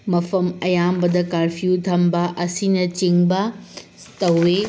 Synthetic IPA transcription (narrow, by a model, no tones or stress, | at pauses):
mɐpʰɐmɐjambɐdɐkaɾpʰiut̪ʰɐmbɐʔɐsinɐt͡ʃiŋbɐ | tɐwːe